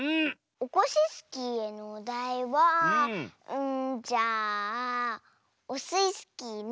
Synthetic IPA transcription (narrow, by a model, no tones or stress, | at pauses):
ɯ̟̃ | oko̞ɕisɨ̥kʲieno̞d̪aiβa | ɯ̃d͡ʑaː | osɨisɨ̥kʲin